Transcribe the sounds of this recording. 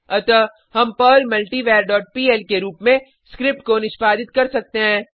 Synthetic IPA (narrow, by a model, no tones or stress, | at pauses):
ɐt̪ə | ɦɐmpəːlmɐlʈiʋɛːɾɖɔːʈ̚piːɛlkeɾuːpmẽ | skɾɪp̚ʈ̚konɪʃpaːd̪ɪt̪̚kɐɾsɐk̚t̪eɦɛ̃ː